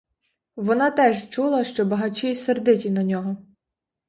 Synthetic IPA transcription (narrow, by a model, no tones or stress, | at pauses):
ʋɔnɑt̪ɛʒt͡ʃulˠɐʃt͡ʃɔbɐɦɐt͡ʃʲiserd̪ɪtʲinɐnʲɔɦɔ